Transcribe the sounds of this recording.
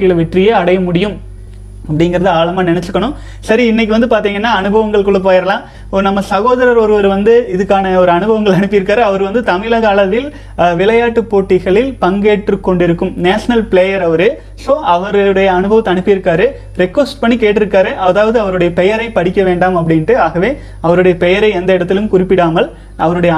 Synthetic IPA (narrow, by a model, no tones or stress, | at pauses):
kɐjɪɭʋɛʈrɪjeːɐɽɐjɐmʊɽɪjɯm | ɐpːɐɽɪŋɡɪɾɐðɯaːɭɐmaːnɪnɛt͡ʃːɯkːɐɳɯ̃ | sɐɾiɪnːɛɪk̬ːɯʋɐnd̪ɯpaːɾt̪iːŋɡɐnːaːɐnɯbʱɐʋɐŋɡɐɭkɔɭɯp̬ːaːjɐɾɐlãː | ɔɾɯnɐmːɐsɐɣoːðɐɾɐɾɔɾɯʋɐɾɯʋɐnd̪ɯɪðɯkːaːnɐɔɾɯɐnɯbʱɐʋɐŋɡɐɭɐɳɯpːɯjɪɾɯkːaːɾɯɐʋɐɾɯʋɐnd̪ɯt̪ɐmɪlɐɣaːlɐt̪ːɪl | ʋɪlɐjaːʈːɯpːoːʈːɪɣɐɭɪlpɐŋɡeːʈrɯkːɔɳɖɪɾɯkːɯmnaːʂɐnɐlpɪɭejɐɾɐʋɐɾɯ | soːʔɐʋɐɾɐɭɯɽɐjɐːnɯbʱɐʋɐt̪ːɐnɯpːɯjɪɾɯkːaːɾɯ | ɾɛkʋɐsʈpɐɳːikeːʈːɪɾɯkːaːɾɯʔɐðaːʋɐðɯɐʋɐɾɯɽɐjɐpɛjɐɾɐɪpːɐɽɪkʲːɐʋeːɳɖaːmɐp̬ːɐɽɪnʈɯaːɣɐʋeː | ɐʋɐɾɯɽɐjɐpɛjɐɾɐɪɛnd̪ɐɪɽɐt̪ːɪlɯmkʊrɪpːɪɽaːmɐl | ɐʋɐɾɯɽɐjɐ